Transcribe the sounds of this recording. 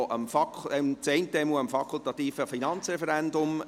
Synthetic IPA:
ʔəmfɑkʰɛmt͡sɛntɛmuəmfɑkʰʊlt̪ɑt̪iːfəfinɑnt͡srɛfɛɾɛndʊm

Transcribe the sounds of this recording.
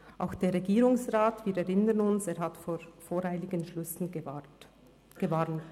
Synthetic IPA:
ʔa̰ʊxd̥eːɾːeɡiːɾʊŋsʁaːtviːɾɛɾɪnənʊnseːɾɦatfoːɾfoːɾhaɪlɪɡənʃlʏsn̩ | ɡ̥əvaːɾnt

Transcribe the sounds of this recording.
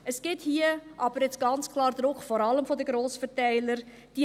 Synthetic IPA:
əsɡ̥ɪthiːəʔɑb̥əɾɛt͡sɡ̥ɑnt͡skʰlɑːɾdrʊkfɔɾɑləmfɔdəɡɾoːsfərtɛɪləɾ | d̥i

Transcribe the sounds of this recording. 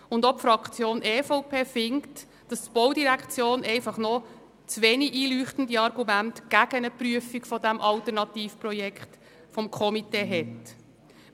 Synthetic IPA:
ʊndɔpfɾɑkt͡sjoːnʔeːfoʊpʰeːfɪŋkt | d̥ɑst̪b̥ɔwdiɾækχt͡sjoːnʔɛɪfɑχnɔ | t͡sʋeːniiːlyːχtəndiɑɾɡumæntɡ̥æɡənəpɾyəfikfɔdæmʔɑltəɾnɑtiːfprɔjɛkχt | fɔmkʰɔmiteːɦɛt

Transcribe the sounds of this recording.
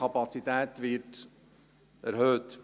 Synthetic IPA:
ɑpɑt͡sit̪æːtʋɪt | æɾɦhøːt

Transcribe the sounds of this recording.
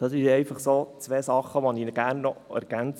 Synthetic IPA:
d̥ɑsiɛɪfɑχsoːt͡sʋeːsɑχəʋoniːnəɡæːɾnːɔɛ̰ɾɡ̥ænt͡s

